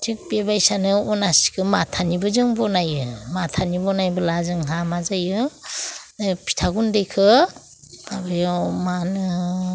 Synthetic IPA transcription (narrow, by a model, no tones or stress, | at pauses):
tʰik̚bebajsanɯɔnasi̥kʰɯmatʰanibɯzɯŋbɔnajɯmatʰanibɔnajbɯlazɯŋɦamazajɯ | pʰi̥tʰaɡundejkʰɯ | b̥abajɔmanɯ